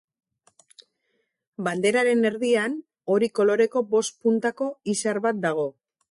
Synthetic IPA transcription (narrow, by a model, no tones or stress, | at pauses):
band̪e̞ɾaɾe̞ne̞ɾðian | o̞ɾiko̞lo̞ɾe̞ko̞bo̞st̪̚punt̪ako̞isaɾβat̪̚d̪aɣ̞o̞